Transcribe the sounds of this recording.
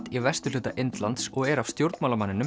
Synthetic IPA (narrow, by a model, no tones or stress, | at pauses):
t̪ivɛst̪ʏlʏːt̪a̰ʔent̪lant̪sɔɣɛɾav̥st̪jowɾt̪mawlamanːɪnʏ